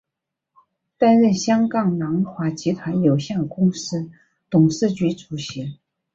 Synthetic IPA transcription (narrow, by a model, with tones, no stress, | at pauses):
t̪a˥nɻə˥˩nɕjɑ˥ŋkɑ˥˩ŋnɑ˧˥ŋxwa˧˥t͡ɕi˧˥t̪ʰwa˧˥njo˨˩ʊɕjɛ˥˩d̪ə˩kʊ˥ŋʂɻɹ̩˥ | t̪ʊ˨˩ŋʂɹ̩˥˩t͡ɕy˧˥ʈ͡ʂʰu˨˩ɕi˧˥